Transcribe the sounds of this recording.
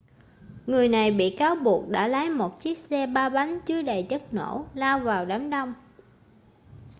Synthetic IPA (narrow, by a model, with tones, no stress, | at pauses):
ŋɨ˨˩əjna˨˩jɓḭ˧˨kaː˨˦wɓu˨˩ək̚ɗa̰ː˧˥laː˨˦jmo˨˩t̚t͡ɕi˦˥ək̚sɛ˧ɓaː˧ɓa˨˦ŋ̟t͡ɕɨ˨˦əɗa˨˩jt͡ɕə˦˥t̚no̰˧˥laː˧wvaː˨˩wɗaː˨˦mɗɔ˧wŋ͡m